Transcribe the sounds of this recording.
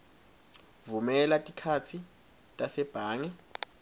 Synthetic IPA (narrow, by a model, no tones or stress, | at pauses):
vumɛlatʼikʰatʰi | tʼasɛb̥ʱaːŋɛ